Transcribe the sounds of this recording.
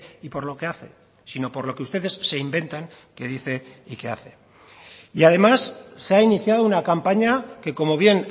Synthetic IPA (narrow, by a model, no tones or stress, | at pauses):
ipo̞ɾlo̞ke̞aθe̞̰ | sino̞po̞ɾlo̞ke̞ust̪e̞ðe̞sːe̞imbe̞nt̪aŋ | ke̞ðiθe̞ike̞a̰θe̞ | iað̞e̞masːeainiθjað̞ounakampaɲake̞ko̞mo̞β̞je̞n